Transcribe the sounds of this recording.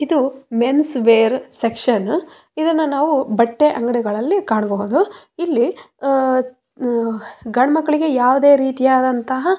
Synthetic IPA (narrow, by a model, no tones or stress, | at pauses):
id̪umensʋeːɾsekʂɐn | id̪ɐnːɐnaːʋubɐʈːe̞ʔɐŋɡɐɽiɡɐɭɐlːikaːɳɐbɐɦud̪uilːi | ɡɐɳɐmɐkːɐɭiɡe̞jaːʋd̪eːɾiːt̪ijaːd̪ɐnt̪ɐɦɐ